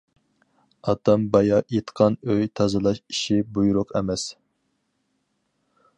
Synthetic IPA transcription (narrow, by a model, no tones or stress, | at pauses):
ɑt̪ʰɑmbɑjɑjet̪qʰɑnøjt̪ʰɑzɨlˠɑʃi̥ʃibujuɾʊqɛmɛs